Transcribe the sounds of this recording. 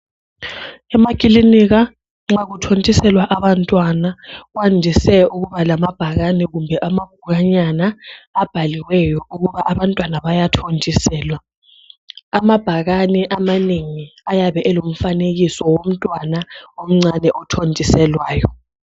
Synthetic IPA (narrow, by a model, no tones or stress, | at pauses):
ɛmakʼilinik̬a | ŋ͡ǁaɣutʰontʼisɛlwaʔaβantʼwanawandʱisɛuɣuβalamab̥ʱaɣanɛɣumbʱɛʔamab̚ʱuk̬aɲanaːb̥ʱaliwɛjɔuɣuβaʔaβantʼwanaβajatʰontʼisɛːlwa | amab̥ʱaɣanɛʔamaneŋiajaβɛʔɛlom̩faneɣisɔwom̩tʼwanaom̩ŋ͡ǀanɛʔɔtʰontʼisɛlwaːjɔ